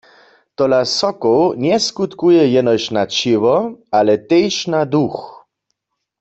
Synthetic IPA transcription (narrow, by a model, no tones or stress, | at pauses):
t̪ɔlasɔkownjɛskut̪kujɛjɛnɔjʃnat͡ʃɪʋɔalɛt̪ejʃnad̪ux